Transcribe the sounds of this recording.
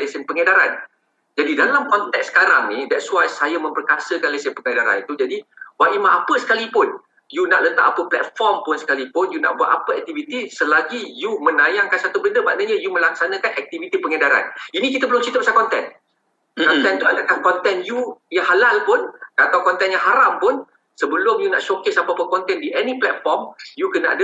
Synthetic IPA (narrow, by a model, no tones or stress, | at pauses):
lesənpəŋadaɾa̰n | d͡ʒadidalamkɔnt̪ɛksə̥kaɾaŋnidɛtswajsajamə̃mpərkasəkanlesənpəŋədaɾa̰nit̪ud͡ʒadiwaʔimãʔapəsə̥kalipʊn | juna̰ʔlət̪akapəplɛ̰t̪̚fɔrmpʊnsə̥kalipʊnjuna̰ʔbuat̪apəɛk̚t̪ivit̪isəlaɡijumə̃najaŋkansat̪ubəndəma̰ʔnəɲajuməlaksanə̃kanɛk̚t̪ivit̪ipəŋadaɾa̰ninikit̪əbəlʊmt͡ʃit̪apasakɔnt̪ɛ̰n | kkɔnt̪ɛnt̪uadakankɔnt̪ɛnjujaŋɦalalpʊnat̪awkɔnt̪ɛnjãŋɦaɾampʊn | səbəlʊmjuna̰ʔʃokesapəapəkɔnt̪ɛndiʔɛnĩplɛt̪̚fɔrmjukənaʔa̰də